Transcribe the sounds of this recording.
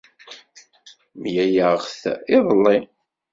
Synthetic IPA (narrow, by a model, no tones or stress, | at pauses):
mjæjəʁθɪðˤəlːi